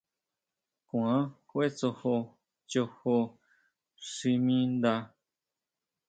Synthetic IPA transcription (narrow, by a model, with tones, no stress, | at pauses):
kũ˧˨ã˦kʷe˦t͡so˧ho˧ | t͡ʃo˧ho˧ | ʂi˧mĩ˦nd̪a˧